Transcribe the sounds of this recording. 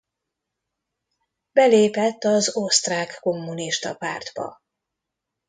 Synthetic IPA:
bɛleːpɛt̪ːɒzost̪raːkːo̞mːuniʃt̪ɒ̰pa̰ːrd̪bɒ̰

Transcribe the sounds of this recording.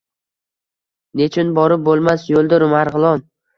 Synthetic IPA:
ne̞t͡ʃʰʊnbɒɾɪp̚bolˠmasjolˠd̪ɪɾʊmaɾʁɨlˠɒn

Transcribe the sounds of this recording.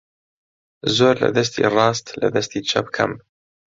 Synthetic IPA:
zoːɾlɐ̰d̪ɐs̬t̪ʰḭrɑːst̪lɐd̪ɐst̪iːt͡ʃʰɐpkʰɐ̰m

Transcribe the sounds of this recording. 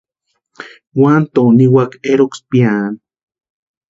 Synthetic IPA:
want̪oniwakeɾokspjan

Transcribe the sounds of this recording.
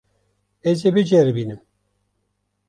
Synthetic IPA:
ezebɨd͡ʒeɾɨbiːnɨm

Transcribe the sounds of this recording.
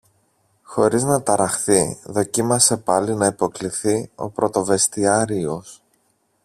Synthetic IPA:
xo̞ɾiznɐt̪ɐɾɐxθiðo̞cimɐse̞pɐlinɐipo̞kliθio̞̰pɾo̞t̪o̞ve̞st̪iɐɾio̞s

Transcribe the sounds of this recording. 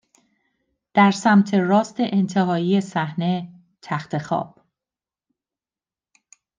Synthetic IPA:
d̪̥æɾsæmt̪ʰe̞rɒːst̪e̞ʔent̪ʰe̞ɦɒːiːje̞sæhne̞ | t̪ʰæxt̪ʰe̞xɒ̰ːb̥

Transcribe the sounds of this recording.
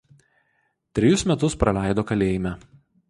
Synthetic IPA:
t̪ʲɾʲɪjʊsmʲɛt̪ʊspɾɐlʲæˑɪd̪oːkɐlʲeːjɪmʲæ

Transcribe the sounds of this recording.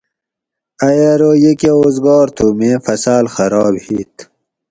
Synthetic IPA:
ɐjaɾojekeoːzɡɑːɾt̪ʰuːmẽfɐsaːlxɐɾɑːbhiːt̪

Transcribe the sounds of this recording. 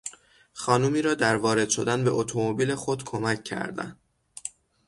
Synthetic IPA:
xɒːnuːmiːɾɒːd̪æɾvɒːɾe̞d̪ʃo̞d̪ænbe̞ʔot̪ʰomobiːle̞xo̞d̪kʰo̞mæcʰːæ̰ɾd̪æ̰nd̪̥

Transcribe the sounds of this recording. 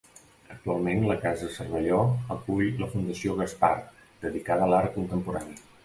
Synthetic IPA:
ək̚t̪ualˠmenləkazəsərβəʎɔəkuʎləfund̪əsioɣ̞əspa̰r | d̪̥əðikaðəlaɾəkunt̪əmpuɾaniə

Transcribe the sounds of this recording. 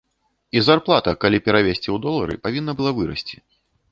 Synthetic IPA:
izarplˠat̪ɐkalʲipʲɛɾavʲesʲt͡sʲiwd̪ɔlˠːɐɾɨ̰pavʲinːɐbɨlˠavɨɾɐ̰sʲt͡sʲi̥

